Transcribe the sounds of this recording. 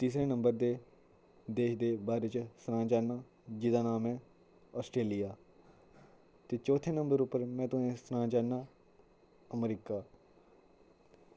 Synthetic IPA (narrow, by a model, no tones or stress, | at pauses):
t̪iːsɾẽːnəmbəɾd̪eː | d̪eːʃd̪eːbaːɾeːt͡ʃsənãːd͡ʒaːnaː | d͡ʒɪd̪aːnaːmɛ̃ː | ɔːsʈɾeːlijaː | t̪eːt͡ʃɔːt̪ʰẽːnəmbəɾʊpːəɾmɛ̃ːt̪ʊẽːsənãːd͡ʒaːnaː | əmɾiːkaː